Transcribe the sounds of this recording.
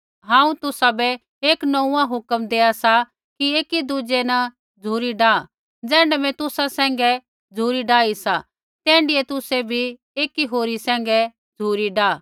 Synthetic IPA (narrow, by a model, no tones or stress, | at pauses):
ɦãːũt̪ʊsabɛ | eːknɔũãɦʊkəmd̪eːasa | kieːkid̪ud͡ʒenɐ | d͡zʱuːɾiɖaː | d͡zɛ̃ːɳɖɛmɛ̃t̪ʊsasɛ̃ːŋ̆ɡɛ | d͡zʱuːɾiɖaːisa | t̪ɛ̃ːɳɖiet̪ʊsebʱi | eːkiɦoːɾisɛ̃ːŋ̆ɡɛ | d͡zʱuːɾiɖaː